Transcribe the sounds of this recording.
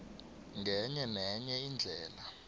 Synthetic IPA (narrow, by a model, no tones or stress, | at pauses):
ŋʱɛɲɛmɛɲɛind͡ɮʱɛːla